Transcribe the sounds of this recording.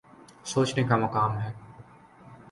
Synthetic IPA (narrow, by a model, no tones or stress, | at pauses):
soːt͡ʃnekamɐkaːmɦɛː